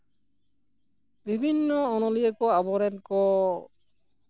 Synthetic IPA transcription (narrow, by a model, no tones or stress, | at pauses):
bibʱinːɔɔnɔliɛkɔabɔɾɛnkɔ